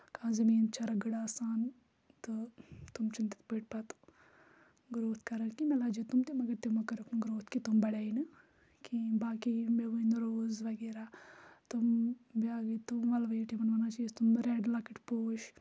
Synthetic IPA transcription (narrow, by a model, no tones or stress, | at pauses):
kãːzɐmiːnt͡ʃɐɾɐɡɐɽaːsaːn | t̪ɨt̪umt͡ʃunt̪i̥t̪peːʈ̚pɐt̪u̥ | ɡɾoːt̪ʰkɐɾɐɾkimelaːd͡ʒet̪umt̪imɐɡɐɾt̪emɐkɐɾɐknuɡɾoːt̪ʰkit̪umbɐɽeːinɨ | kibaːkimeʋuinɾoːzʋɐɡeːɾat̪umbjaːɡit̪umʋɐlʋɐjiʈimɐnʋɐnat͡ʃist̪umɾeːɖlakiʈpoːʃ